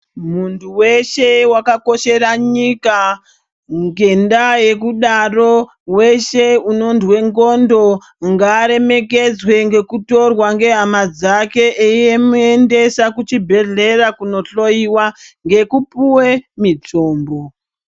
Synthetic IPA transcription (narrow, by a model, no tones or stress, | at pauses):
muntʰuwe̞ʃe̞wakako̞ʃe̞raɲika | ŋɡe̞ndaje̞kuɗaro̞ | we̞ʃeuno̞ndwe̞ŋɡondo̞ | ŋɡaɾe̞me̞ke̞d͡zwe̞ŋɡe̞kuto̞rwaŋɡe̞ɦamad͡zake̞ʔeiemuende̞sakut͡ʃibʱe̞ɮe̞rakuno̞ɬo̞iwaŋɡe̞kupuwe̞mit͡soːmbo̞